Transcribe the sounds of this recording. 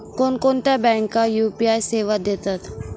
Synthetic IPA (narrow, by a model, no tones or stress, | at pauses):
koːnkoːnt̪ɛbɛ̃ːŋkːajuːpiaːjseːʋad̪eːt̪at̪ʰ